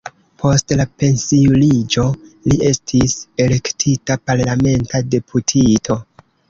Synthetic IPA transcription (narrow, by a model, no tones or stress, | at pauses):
pʰo̞stlape̞nsiulid͡ʒo̞lie̞stʰise̞le̞ktʰitapaɾlame̞ntade̞pʰutʰitʰo̞